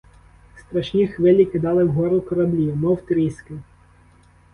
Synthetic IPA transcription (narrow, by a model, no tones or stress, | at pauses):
st̪ɾɐʃnʲixʋɪlʲikɪd̪ɑlˠɪwɦɔɾʊkɔɾɐblʲimɔwt̪ɾʲisʲkɪ